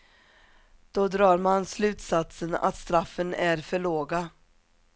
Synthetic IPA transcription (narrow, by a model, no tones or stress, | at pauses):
d̪̥ɔd̪ɾɑːɾmanslʉ̟ːt̪sat̪səna̰t̪st̪ɾafːənæɾfœɭoːɡa